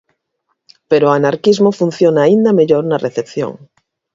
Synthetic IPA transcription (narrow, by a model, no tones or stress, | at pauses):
pe̞ɾoanaɾkizmofun̟θjonaːind̪ame̞ʎoɾnareθepθjo̰ŋ